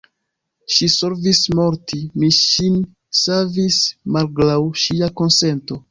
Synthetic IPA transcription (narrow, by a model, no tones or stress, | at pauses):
ʃisoɾvismo̞ɾtimiʃin | savismalɡlawʃiako̞nse̞nto̞